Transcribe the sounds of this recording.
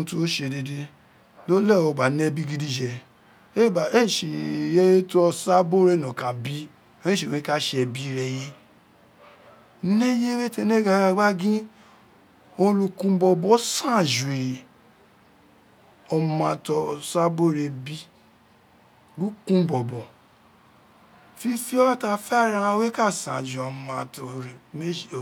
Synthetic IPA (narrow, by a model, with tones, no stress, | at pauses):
tu˦o˦ʃe˧de˧de˧ | lo˦lɛ˦˨ɔ˧˨ɡ͡ba˨nɛ˦bi˦ɡi˦di˦d͡ʒɛ˧ | e˦˨ba˨e˦˨ʃe˨jɛ˦je˦to˦ɔ˧sa˦bo˦ɾɛ˦˨nɔ̃˨ka˨bi˦ | o˦ĩ˦ʃe˨wẽ˨˦ka˦ʃe˧ɛ˧bi˦ɾɛ˧je˦ | ne˦je˦we˦tɛ˧˨nɛ˦ɡa˧˦ɡa˧˦ɡ͡ba˦ɡĩ˦ | o˧lũ˧kũ˧˦bɔ˧bɔ˨˦sã˦˨ʒu˨i˨ɾi˨ | ɔ˧mã˧˨tɔ˧sa˦bo˦˨ɾe˧bi˦ | bu˦kũ˦bɔ˨bɔ˨ | fi˦fi˦ɔ˦wa˦ta˧fɛ˦˨ɾa˧ã˧˦we˦ka˦˨sã̰˨d͡ʒu˨ɔ˨mã˨˧˨tɔ˨ɾe˨me˦˨